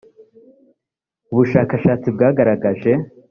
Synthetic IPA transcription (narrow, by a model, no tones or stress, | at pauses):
uβuʃaːkaʃaːt͡sibɡaːɡaɾaɡaʒe̞